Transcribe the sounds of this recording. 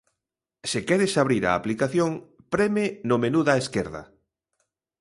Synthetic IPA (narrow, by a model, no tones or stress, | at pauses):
sɪkɛɾɪsaβ̞ɾiɾa̰ːplikaθjoŋ | pɾɛmɪnʊmenuðaeskeɾðɐ̰